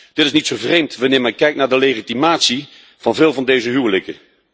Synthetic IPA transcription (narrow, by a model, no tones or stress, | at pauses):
d̥ɪtɪs̬nitsowvrejmtʋɑnɪːɹmɛnkɛjk̚tnaːɹdəlejχitimaːtsi | v̥ɑnvɪːlˠvɑndejzəɦywələkə̰